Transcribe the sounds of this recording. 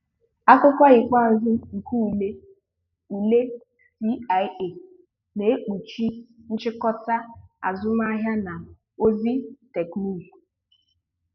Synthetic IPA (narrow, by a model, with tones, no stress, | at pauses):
a˦kʷʊ˦kʷa˦ɣɪ˨kʷa˦˨zʊ˦ŋ̩˨ku˦u˨le˦ | u˨le˦ | si˦a˨je˨ | ne˨e˦k͡pu˨t͡ʃi˦n̩˦t͡ʃɪ˦kɔ˦ta˦a̰˨zʊ˦m˦a˦ɦja˦na˨ | o˦zi˦te˨knu˦˨lu˨